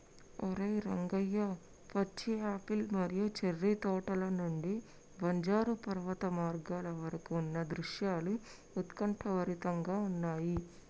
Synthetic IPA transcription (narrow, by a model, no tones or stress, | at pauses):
ɔɾɐjɾɐŋɡɐjːɐ | pɐt͡ʃːiaːpilmɐɾijut͡ʃerːit̪ɔːʈɐlɐnuɳɖi | bɐɲd͡ʒaːɾupɐɾʋɐt̪ɐmaːɾɡaːlɐʋɐɾɐkuːnːɐd̪ɾuʂjaːlu | ut̪kɐɳʈʰɐʋɐɾit̪ɐŋɡaːunːaːji